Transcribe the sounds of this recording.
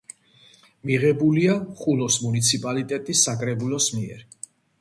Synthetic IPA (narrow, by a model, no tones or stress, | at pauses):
miʁɛbuliaχulɔsmunit̪sʰipʼalit̪ʼɛt̪ʼisːakʼɾɛbulɔsmiɛ̰ɾ